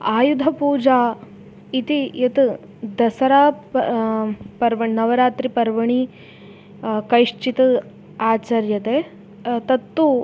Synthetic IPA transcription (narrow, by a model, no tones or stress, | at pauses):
aːjud̪ʱɐpuːd͡ʒaː | it̪iet̪ | d̪ɐsɐɾaː | pɐɾʋɐɳinɐʋɐɾaːt̪ɾipɐɾʋɐɳi | kɐjʂt͡ʃit̪ɐ | aːt͡ʃɐɾjɐt̪eː | t̪ɐt̪ːu